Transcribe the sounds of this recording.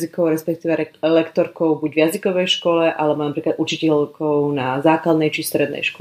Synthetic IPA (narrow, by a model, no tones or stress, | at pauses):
zikɔʊɾɛspɛk̚t̪iːʋɛlɛkt̪ɔɾkɔʊbuɟvjazikɔʋɛjʃkɔlɛʔalɛbɔnapɾiːklad̪ut͡ʃicɛʎkɔʊnazaːklad̪nɛjt͡ʃist̪ɾɛd̪nɛ̰jʃkɔ